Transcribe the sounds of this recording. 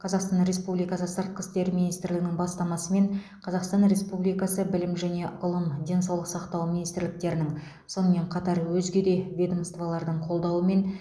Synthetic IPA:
qʰɑzɑqst̪ɑnɾe̞spublijkɑsəsəɾt̪̚qə̥st̪e̞ɾminist̪ɪɾlɪɡɪnɪŋbɑst̪ɑmɑsəme̞ɴ | qʰɑzɑqst̪ɑnɾe̞spublijkɑsəbɪlɪmʒæne̞ʊlˠəmd̪ʲe̞nsɑwlˠəqsɑqt̪ɑwminist̪ɪɾlɪk̚t̪e̞ɾɪnɪŋ | so̞nəme̞ɴqʰɑt̪ɑɾwɵzɡʲe̞d̪e̞vʲed̪omst̪vɑlˠɑɾd̪əɴqʰo̞lˠd̪ɑwəme̞n

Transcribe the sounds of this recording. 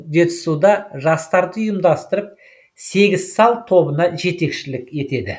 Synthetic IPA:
d̪et̪ʰɪ̥sud̪ɑʒɑst̪ɑɾd̪əʊjəmd̪ɑst̪əɾəp̚ | se̞ɡʲɪz̥sɑlˠt̪ʰo̞bənɑʒe̞t̪e̞kʃɪlɪke̞t̪e̞d̪ɪ

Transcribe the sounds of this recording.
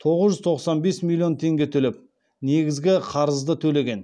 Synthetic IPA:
t̪ʰo̞ʁəzʒʏzt̪ʰo̞qsɑnbe̞smʲilʲˠːijo̞nt̪ʰe̞ŋɡʲe̞t̪ʰɵlep̚ | ne̞ɡʲɪzɡʲɪqʰɑɾəzd̪ət̪ʰɵle̞ɡʲe̞n

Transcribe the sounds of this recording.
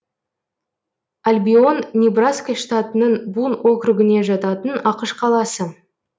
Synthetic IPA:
alʲbʲio̞nːʲibraskəʂt̪at̪ənəɴbunwʔo̞kɾʊɡʲɪne̞ʒɑt̪ɑt̪ənɑqəʃqʰɑlˠɑsə

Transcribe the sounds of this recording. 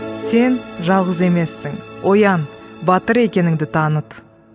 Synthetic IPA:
se̞nʒɑlˠʁəze̞me̞sːɪŋwʔo̞jɑnbɑt̪əɾe̞kʲe̞nɪŋd̪ɪt̪ʰɑnət̪

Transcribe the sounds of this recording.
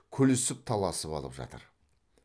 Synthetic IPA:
kʲʰɵlɪsɪp̚t̪ʰɑlˠɑsəpɑ̰lˠəpʒɑ̰t̪ə̰ɾ

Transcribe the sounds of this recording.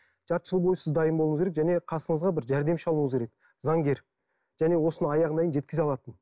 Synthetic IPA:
ʒ̥ɑɾt̪ʒ̥əlˠbo̞jsɪzd̪ɑjəmbolˠəɴəzkeɾekʒæne̞qʰɑsəɴəzʁɑbɪɾʒæɾd̪e̞mʃɑlˠuɴəzɡʲʰeɾek̚ | zɑŋɡʲe̞ɾ | ʒ̥æne̞wo̞sənəɑjɑʁənɑjənʒet̪kʲɪzeɑlˠɑt̪ən

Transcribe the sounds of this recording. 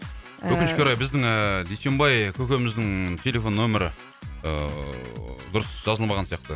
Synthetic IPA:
wʰɵkɪnʃkʲeɾɑjbɪzd̪ɪŋəd̪ejse̞mbɑjkʲʰɵkʲe̞mɪzd̪ɪŋt̪ʰe̞lʲe̞fo̞nːɵmɪɾɪ | d̪ʊɾəsʒ̥ɑzəlˠmɑʁɑnsijɑq̚t̪ə

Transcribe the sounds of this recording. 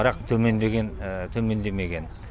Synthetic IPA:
ɾɑqt̪ʰɵme̞nd̪e̞ɡʲent̪ʰɵme̞nd̪e̞me̞ɡʲe̞n

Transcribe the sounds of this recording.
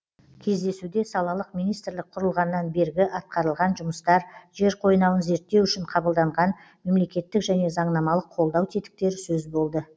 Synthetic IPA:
kʲʰe̞zd̪e̞sud̪e̞sɑlˠɑlˠəqmijnijst̪ɾlɪk̚qʰʊɾəlˠʁɑnːɑnbe̞ɾɡʲɪʔɑt̪̚qɑɾəlˠʁɑnʒʊməst̪ɑɾʒe̞ɾqʰo̞jnɑwənze̞ɾt̪ːe̞wʏʃɪɴqʰɑbəlˠd̪ɑɴʁɑn | me̞mle̞kʲe̞t̪ːɪkʒæne̞zɑɴnɑmɑlˠəqʰo̞lˠd̪ɑwt̪ʰet̪ɪ̥k̚t̪e̞ɾɪsɵzbo̞lˠd̪ə

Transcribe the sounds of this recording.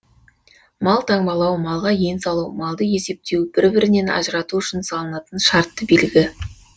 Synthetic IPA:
mɑlˠt̪ʰɑŋbɑlˠɑwmɑlˠʁɑje̞nsɑlˠuwmɑlˠd̪əje̞se̞p̚t̪e̞wbɪɾbɪɾɪne̞nɑ̰ʒəɾɑt̪uʏʃɪnsɑlˠənɑt̪ənʃɑɾt̪ːəbelɪɡʲɪ

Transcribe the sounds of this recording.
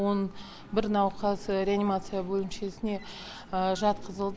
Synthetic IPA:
on | bɪɾnɑwqʰɑsɾʲeanimat̪sɨjabɵlɪmʃe̞sɪne̞ | əʒɑt̪qʰəzəlˠd̪

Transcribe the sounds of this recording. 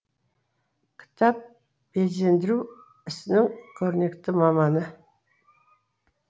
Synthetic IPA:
kʲʰɪ̥t̪ʰɑp̚ | be̞ze̞nd̪ɪɾuw | ɪsɪnɪŋkʲʰɵɾɪne̞kt̪ɪmɑmɑnə

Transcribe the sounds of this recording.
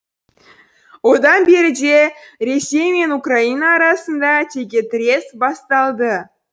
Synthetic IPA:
od̪ɑnbʲeɾʲɪ̆d͡ʒerʲesʲːejmʲenukrɑinɑːɾɑsənd̪ɑt̪ʲeɡʲet̪rʲesbɑst̪ɑlˠd̪ə

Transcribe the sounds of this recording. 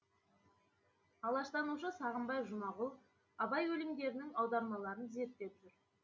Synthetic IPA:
ɑlˠɑʃt̪ɑnuʃəsɑʁəmbɑjʒʊmɑʁʊlˠ | ɑbɑjwɵlɪmd̪e̞ɾɪnɪŋɑwd̪ɑɾmɑlˠɑɾənze̞ɾt̪ːe̞pʒʏɾ

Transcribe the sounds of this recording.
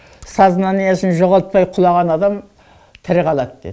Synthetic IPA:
sɑzənɑnijɑsɪnʒoʁɑlˠt̪̚pɑjqʰʊlˠɑʁɑnɑd̪ɑm | t̪ʰɪɾqʰɑlˠɑt̪d̪ed̪

